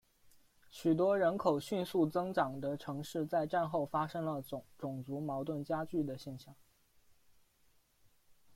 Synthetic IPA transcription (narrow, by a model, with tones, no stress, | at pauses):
ɕy˨˩t̪̬wɔ˥ɻə˧˥nkʰo˨˩ʊɕy˥˧nsu˥˩t͡sɤ˥ŋʈ͡ʂɑ˨˩ŋd̪ə˦ʈ͡ʂʰɤ˧˥ŋʂɻ̩˥˧t͡sa˥˧ɪʈ͡ʂa˥˧nxo˥˩ʊfa˥ʂɤ˥ŋlə˧˨ʈ͡ʂʊ˨˩ŋt͡su˧˥mɑ˧˥ʊt̪wə˥˩nt͡ɕja˥t͡ɕy˥˩d̪ə˩ɕjɛ˥˧nɕjɑ˥˩ŋ